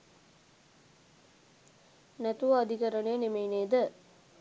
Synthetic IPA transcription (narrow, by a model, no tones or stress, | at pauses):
nɛt̪uʋɐːd̪ʱikɐɾɐnejənemeineːd̪ə